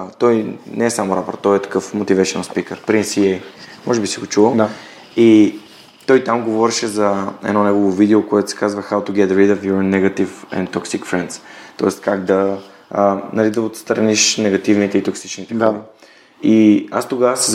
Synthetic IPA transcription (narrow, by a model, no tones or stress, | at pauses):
t̪ɔjnɛːsamʊɾapəɾt̪ɔɛt̪ɐ̥kɤfmot̪ivɛʃɛnnspikəɾpɾinsiɛjmɔʒɛbisɛɡot͡ʃulˠo | i | t̪ɔjt̪amɡovɔɾɛʃɛzɐɛ̰nɔnɛɡovʊvid̪ɛokoɛt̪ʊsɛ̥kazvɐxawt̪uɡɛt̪ɾɛd̪ɔfjoɾnɛɡɐt̪ifɛ̰̃nt̪ɔksikfɾɛnd̪st̪ɔ̰ɛst̪kaɡd̪ɐ | nɐlid̪ɐot̪st̪ɾɐniʃnɛɡɐt̪ivnit̪ɛit̪oksi̥t͡ʃnit̪ɛxovə | ia̰st̪oɡavəsɛz